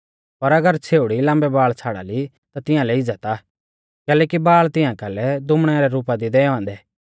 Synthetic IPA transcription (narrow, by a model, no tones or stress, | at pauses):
pɐɾɐɡəɾt͡sʰeːuɽilãːmbɛbaːɭt͡sʰaːɽa̰ːli | t̪at̪ɪ̃ãlɛɪd͡zət̪a | kɛːlɛːkibaːɭt̪ɪ̃ãkɐlɛd̪ʊmɽ̃ɛɾɛɾuːpad̪id̪ɛːãːnd̪ɛː